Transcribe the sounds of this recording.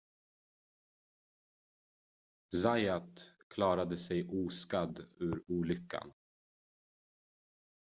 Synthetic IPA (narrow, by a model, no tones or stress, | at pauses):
zajat̪kʰlɑːɾad̪əsɛjʔuːskad̪ʉːɾuːlʏkːa̰n